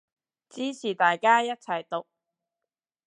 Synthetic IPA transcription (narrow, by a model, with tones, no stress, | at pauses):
t͡siː˥t͡sʰiː˨˩t̪aː˨jkaː˥jɐ˥t̚t͡sʰɐ˨˩jt̪o˨k̚